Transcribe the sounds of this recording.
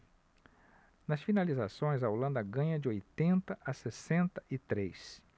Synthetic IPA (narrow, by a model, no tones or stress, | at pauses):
nɐsfinalizasõj̃zɐolɐ̃nd̪ɐɡɐ̃ɲɐd͡ʒɪojt̪ẽnt̪ɐʔɐsesẽnt̪ɐ̥ʔɪt̪ɾejs